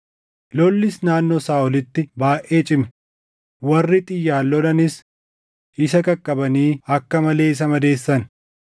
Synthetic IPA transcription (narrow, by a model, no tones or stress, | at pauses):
lɔlːɪsnaːnːɔsaːʔɔlɪt̪ːɪbaːʔe̞ːt͡ʃʼɪmɛ | wɐrːɪt̪ʼɪjːaːlːɔlɐnɪs | ʔɪsɐkɐkʼːɐbɐniːɐkːɐmɐle̞ːɪs̬ɐmɐd̪e̞ːsːɐn